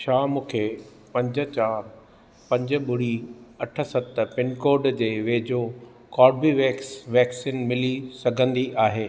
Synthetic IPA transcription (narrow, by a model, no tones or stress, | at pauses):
ʃʰaːmũːkʰe | pɐ̃ɲd͡ʑə̆t͡ɕaːɾ | pɐ̃ɲd͡ʑə̆ɓʊɽiɐʈʰə̆sɐt̪̆pɪnkoːɾɖd͡ʑeːʋeːd͡ʑo | kɔːɖ̚biʋɛːksʋɛːksĩːnmɪlisɐɡʱə̃nd̪iʔaːɦeː